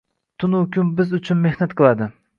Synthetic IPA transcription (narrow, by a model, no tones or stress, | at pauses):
t̪ʰʊnʊkʰʲʊmbɪzʊt͡ʃʰʊnme̞hnat̪qʰɨlˠad̪ɪ